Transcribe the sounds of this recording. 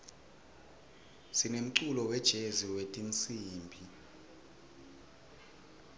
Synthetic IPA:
sinem̩ǀulɔwɛd̥ʒ̥ʱeziwetʼint͡sʼiːmbʱi

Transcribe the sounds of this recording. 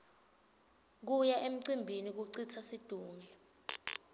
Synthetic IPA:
k̬ujaʔem̩ǀimbʱinik̬uǀit͡sʰasid̥ʱuːŋɛ

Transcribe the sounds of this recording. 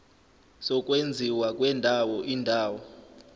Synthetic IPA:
sɔkʼwend͡zʱiwakʼwɛndʱawɔʔindʱaːwɔ

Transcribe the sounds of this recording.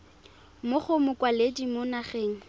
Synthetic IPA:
mʊχʊmʊkʼwaledimʊnaχeːŋ̩

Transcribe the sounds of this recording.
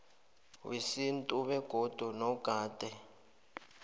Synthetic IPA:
wisintʼuβɛɡ̥ʱod̥ʱunɔɡ̥ʱaːd̥ʱɛ

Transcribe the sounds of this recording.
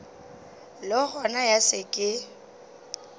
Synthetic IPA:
lɪɣɔnajasɪkʼɪ

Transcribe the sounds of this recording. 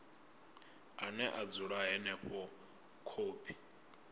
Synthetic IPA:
anɛʔad͡zuɺaɦɛnɛɸɔ | kʰoːpʰi̥

